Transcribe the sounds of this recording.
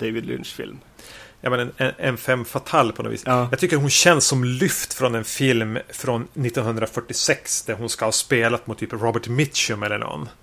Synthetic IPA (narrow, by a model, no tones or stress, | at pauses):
d̪eɪvɪd̪lɪ̰nʂfɪ̰lm | jamɛnɛnɛɛnfɛmːfat̪ʰalːpʰɔnɔ̰vḭːsjɑɡt̪ʰʏkːəɾɦʊnɕɛnːsːɔmlʏft̪fɾɔnɛnfɪlmfɾɔnːɪt̪ːɔnhɵnd̪ɾafœʈːɪsɛksd̪æɾɦʊnskahɑːspeːlat̪mʊt̪ʰːyːpɾɔbəʈmɪt̪ʃɵmɛlːəɳɔ̰nː